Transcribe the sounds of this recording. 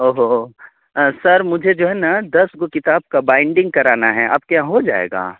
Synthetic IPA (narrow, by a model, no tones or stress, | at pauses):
oɦo | sɐɾmʊd͡ʒʱed͡ʒoːɦɛnɐd̪ɐsɡokɪt̪aːb̚kabãːɪ̃ɳɖɪ̃ŋɡ̚kɐɾaːnaɦɛʔɐ̰b̚kjãɦod͡ʒa̰ːḛːɡa̰ː